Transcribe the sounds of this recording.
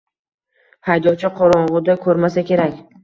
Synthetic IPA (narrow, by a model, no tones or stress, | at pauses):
hajd̪ɒt͡ʃʰɪqʰoɾɒɴʁʊd̪akʰɵɾmasakʲʰe̞ɾakʲ